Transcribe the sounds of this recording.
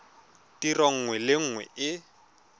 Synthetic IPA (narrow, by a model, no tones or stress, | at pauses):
tirɔŋ̩ŋwɛlɪŋ̩ːŋwɛ̰ɪ